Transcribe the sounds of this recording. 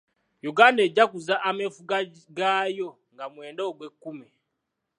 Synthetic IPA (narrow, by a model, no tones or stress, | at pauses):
juɡaːndeɟːakuzaʔamefuɡa | ɡaːjo̞ | ŋɡamwe̞ːndeoɡwekːumi